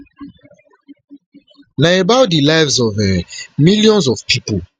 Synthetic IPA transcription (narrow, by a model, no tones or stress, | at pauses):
naebawt̚dilajvsɔvɛmiljɔ̃nzɔfpʰipol